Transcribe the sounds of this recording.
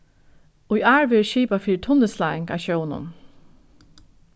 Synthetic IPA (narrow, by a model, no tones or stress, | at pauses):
ʊjʔaːɹʋɛːɹʃiːpafiːɻɪt̪ʰʊnːəslaːɪŋka̰ʃœwnʊ̰n